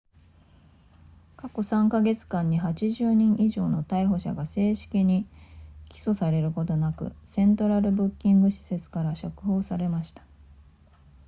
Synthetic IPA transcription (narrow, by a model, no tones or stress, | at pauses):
kako̞sãŋkaɡe̞t͡sɨ̥kãɲ̟ːiɦat͡ɕiʑɨːɲ̟ĩɰ̃ʔiʑo̞ːno̞t̪aiɦo̞ɕa̰ɡase̞ːɕi̥kʲiɲ̟ikʲi̥so̞saɾe̞ɾɯ̟ko̞t̪o̞nakɯ̟̰sẽ̞nt̪o̞ɾaɾɯ̟bɯ̟kʲːĩŋɡɯ̟ɕi̥se̞t͡sɨ̥kaɾaɕokɯ̟ɦo̞ːsaɾe̞maɕi̥t̪ḁ